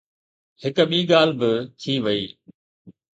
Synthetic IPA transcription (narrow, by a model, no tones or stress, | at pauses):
hɪk̆ɓiːɠaːl̤bɪt̪ʰiːʋɐiː